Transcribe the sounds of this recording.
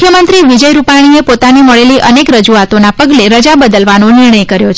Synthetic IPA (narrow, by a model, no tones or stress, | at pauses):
kʰjəmənt̪ɾiʋid͡ʒəjɾupaɽ̃iepot̪animəɭeliʔənekɾəd͡ʒuat̪onapəɡleɾəd͡ʒabəd̪əlʋanonɪɾɳəjkəɾjot͡ʃʰ